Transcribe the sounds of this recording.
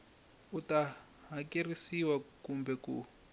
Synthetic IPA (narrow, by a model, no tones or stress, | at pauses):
uta | ɦakerisiwakumbɛkṵ